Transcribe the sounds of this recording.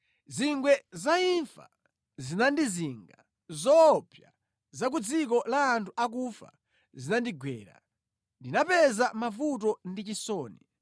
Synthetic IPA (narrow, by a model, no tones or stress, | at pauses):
ziŋɡwɛzaiɱfa̰ | zinandiziŋɡa | zɔpʰja | zak̬ud͡zik̬ɔlaːntʰuʔak̬ufa̰ | zinandiɡwɛ̰ːɾa̰ | ndinapɛzamavut̬ɔndit͡ʃisɔːni